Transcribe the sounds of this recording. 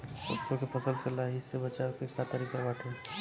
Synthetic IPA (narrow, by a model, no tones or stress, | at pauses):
ə̰sokepʰəsəlsəlaɦisebət͡ʃakekat̪əɾikabaʈʰe